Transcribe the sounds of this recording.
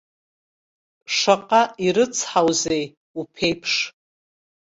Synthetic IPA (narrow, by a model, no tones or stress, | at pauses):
ʂaqʼaiɾɨt͡sʰħawzej | upʰejpʰʂ